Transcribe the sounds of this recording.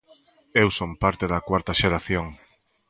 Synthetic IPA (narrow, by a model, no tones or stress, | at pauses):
ewsompaɾt̪eðɐkwaɾt̪ɐʃeɾaθjoŋ